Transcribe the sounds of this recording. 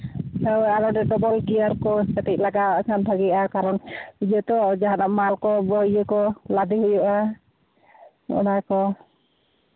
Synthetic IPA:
sawaɾɔɖɛɖɔbɔlɡijaɾkɔsat̪ic̚laɡakʰanbʰʱaɡiʔakaɾɔnid͡ʒət̪ɔd͡ʒaɦanaʔmalkɔbɔjəkɔlad̪iɦujuʔa | ɔ̰nakɔ

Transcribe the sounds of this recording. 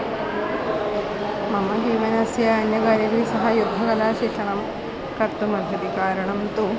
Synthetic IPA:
mɐmɐd͡ʒiːʋɐnɐsjɐːnjɐɡaːɾjɐɡɐlisɐɦɐjud̪ʱːɐɡɐlaːʃikʂɐɳɐm | kɐɾt̪umɐd̪ʱɐd̪ikaːɾɐɳɐmt̪u

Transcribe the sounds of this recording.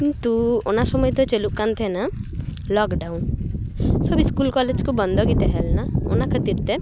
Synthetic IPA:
kint̪uonasɔmɔjt̪ɔt͡ʃeluʔkant̪ʰɛnalɔkɖaun | sɔbiskulkɔled͡ʒkubɔnd̪ʱɔɡit̪ɛɦɛlnao̰nakʰət̪iɾt̪e

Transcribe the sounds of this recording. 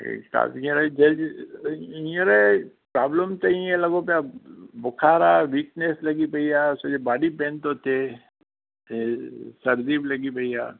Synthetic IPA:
ka̰ːĩɾed͡ʒɐd͡ʒi | iəɾe | pɾaːbləmt̪ɐĩɛlɐɡop̬abʊkʰaːɾaʋiːkneslɐɡipɐijaʊsed͡ʒebaːɽipẽːnt̪oːt̪e | sɐɾd̪iːblɐɡipɐijaː

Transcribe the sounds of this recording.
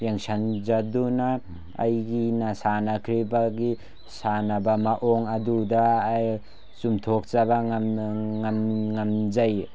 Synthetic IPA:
jeŋsand͡ʒaduna̰ː | jɡinasanakʰɾibaɡi | sanabamaʔoŋadudaj | sumtʰok̚t͡ʃaba | ŋamŋamzaj

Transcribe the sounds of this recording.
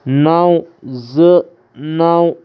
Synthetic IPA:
nawzə | naw

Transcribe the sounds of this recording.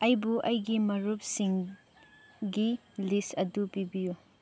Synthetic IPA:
ɐjbuʔɐjɡimɐɾup̚siŋ | ɡi | listɐdupibiju

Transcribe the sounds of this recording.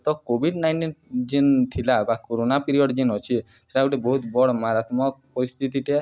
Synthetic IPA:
t̪ɔkobʱiɖnajɳʈind͡ʒint̪ʰilabakoɾonapiɾiɔɖd͡ʒinɔt͡ʃʰi | t̪ʰeʈauʈebɔɦut̪bɔɽɔmaɾat̪mɔk̚pɔɾist̪ʰit̪iʈe

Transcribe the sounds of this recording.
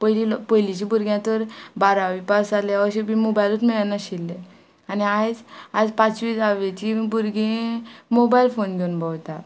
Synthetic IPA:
pəjlipəjlit͡ɕibuɾɡjãt̪əɾbaɾaʋipasaleəɕebimobajlət̪miɭanːaɕilːe | aniajd͡zad͡zpat͡sʋiːd͡zaʋet͡ɕibuɾɡẽmobailfonɡʱeunbawt̪a

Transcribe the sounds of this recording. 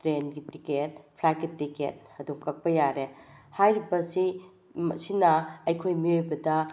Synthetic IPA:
tɾenɡitiket̚pʰɾakitːikḛt̚ɐdukːɐk̚pɐjaɾehajɾibɐsi | msinɐːjkʰojmiojbɐdɐ

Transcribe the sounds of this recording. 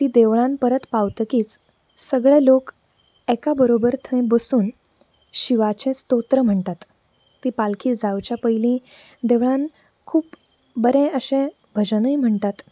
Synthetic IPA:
t̪iːd̪eʋɭãnpəɾət̪pawt̪əkiːt͡s | səɡɭẽlok | ɛkabəɾobəɾt̪ʰə̃j̃bəsuːn | ɕiʋat͡ɕẽst̪ot̪ɾəm̤əɳt̪at̪ː | iːpalkʰiːd͡zaʋt͡ɕjapəilĩ | d̪eʋɭan | kʰuːp | bəɾẽəɕẽ | bʱəd͡ʑənəjm̤əɳt̪at̪

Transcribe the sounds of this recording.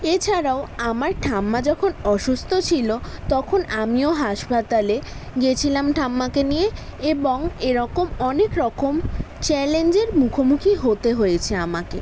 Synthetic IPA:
et͡ɕʰaɾaoamaɾʈʰamːad͡ʑɔkʰonɔʃust̪ʰot͡ɕʰilot̪ɔkʰonamioɦaʃpat̪aleɡet͡ɕʰilamʈʰamːakenijeeboŋeɾɔkomɔnekɾɔkom | t͡ɕɛlend͡ʑeɾmukʰomukʰiɦot̪eɦojet͡ɕʰeamake

